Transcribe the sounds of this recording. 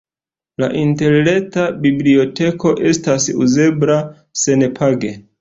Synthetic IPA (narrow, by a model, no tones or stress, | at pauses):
la̰ʔinte̞ɾletabiblio̞te̞kʰo̞ʔe̞stasṵze̞bla | se̞nepʰaɡe̞